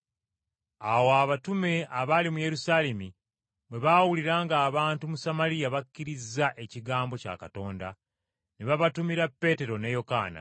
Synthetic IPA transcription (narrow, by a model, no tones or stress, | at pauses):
awoaβatume̞aβalimuje̞ɾusaːle̞mi | bwe̞βawuliɾaːŋɡaːβaːntumusamalijaβakːiɾizːaʔe̞ciɡaːmbo̞ca̰ka̰to̞ːnda̰ | neβaβatumiɾapːe̞te̞ɾo̞nejo̞ka̰ːna̰